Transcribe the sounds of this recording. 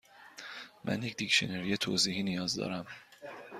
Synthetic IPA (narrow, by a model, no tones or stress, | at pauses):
mʔæ̰nje̞cd̪icʃoneɾijet̪ʰo̰ːziːhiːnijɒːzd̪ɒ̰ːɾæm